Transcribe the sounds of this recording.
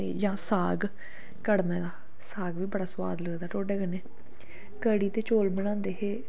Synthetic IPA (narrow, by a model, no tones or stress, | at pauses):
eːd͡ʒãːsaːɡ | kəɽmɛ̃ːd̪aː | saːɡʋiːbəɽaːswa̰ːd̪ləɡd̪aːʈoːɖeːkəneː | kəɽiːt̪eːt͡ʃoːlbəɽ̃ãːnd̪eːɦeː